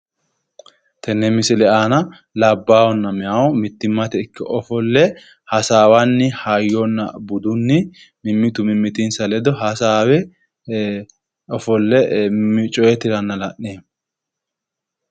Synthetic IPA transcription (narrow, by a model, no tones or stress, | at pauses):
t̪ʰɛnːɛmɪsɪlɛʔaːnɐ | lɐbːaːwɔnːɐmɪjawmɪt̪ːɪmːɐt̪ɛɪkːɛʔɔfɔlːɛ | hɐsaːwanːɪhajːɔnːɐ̰bʊd̪ʊnːɪ | mɪmːɪt̪ʊmɪmːɪt̪insɐlɛd̪ɔɦɐsaːwɛ | ɔfɔlːɛmɪt͡ʃʼɔjɛt̪ɪɾɐnːɐlɐʔːeː